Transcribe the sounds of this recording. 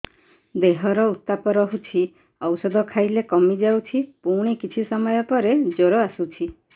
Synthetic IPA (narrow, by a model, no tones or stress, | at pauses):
d̪eɦɔɾɔut̪ːapɔɾɔɦut͡ʃʰi | ɔwsɔd̪ʱɔkʰajlekɔmid͡ʒawt͡ʃʰipuɽ̃ikit͡ʃʰisɔmɔjɔpɔɾed͡ʒoɾɔasut͡ʃʰi